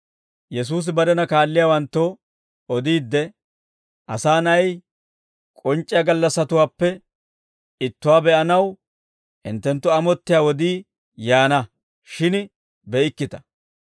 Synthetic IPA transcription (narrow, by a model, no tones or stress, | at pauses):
jɛs̬uːs̬ɪbɐɾɛnɐkaːlːɪjaːwɐnt̪ːɔ | ɔd̪iːd̪ːɛ | ʔɐsaːnɐj | kʼɔnt͡ʃʼːɪjɐɡɐlːɐsɐt̪ʊwaːpːɛ | ɪt̪ːʊwaːbɛʔɐnɐw | ɪ̰nt̪ːɛnt̪ːʊɐmɔt̪ːɪjaːwɔd̪iː | jaːnɐ | ʃɪn | bɛʔɪkːɪt̪ɐ̥